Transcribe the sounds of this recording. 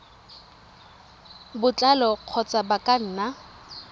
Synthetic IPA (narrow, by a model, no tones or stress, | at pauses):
bʊt͡ɬʼalɔq͡χʰɔt͡sʼabakʼan̩ːna